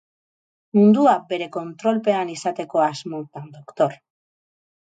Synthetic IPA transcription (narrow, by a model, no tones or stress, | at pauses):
mund̪uabe̞ɾe̞ko̞nt̪ɾo̞lpe̞anisat̪e̞ko̞azmot̪and̪o̞kt̪o̞ɾ